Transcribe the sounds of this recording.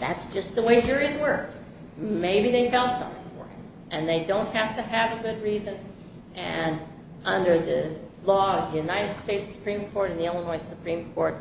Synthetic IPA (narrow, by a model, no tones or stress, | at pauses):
ðætsd̥ʒ̥ʌst̪̚ðəweɪd͡ʒʊɹizwɜ˞k̚ | meɪbiðeɪfɛlˠtsʌ̰̃mθɪ̰̃ŋfə̰˞ɨ̰̃m | ʔɨ̃nðeɪdõʊ̃nt̚hæftɨɨvɨɡʊd̚ɹizɨ̃n | ʔɨ̃n | ʔʌ̃ndə˞ðɨ | lɔʌvðɨjʉnaɪɾɨd̥steɪtsɨ̥pʰɹ̥ĩmkʰɔɹɾɨ̃n̩ðiɛlˠənɔɪsəpʰɹ̥ĩmkʰɔɹt̚